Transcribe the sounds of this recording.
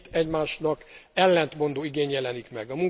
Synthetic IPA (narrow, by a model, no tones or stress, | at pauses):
t̪ɛɟmaːʃnɒkɛlːɛnt̪mo̞nd̪oːiɡeːɲjɛlɛnikmɛɡɒmuŋ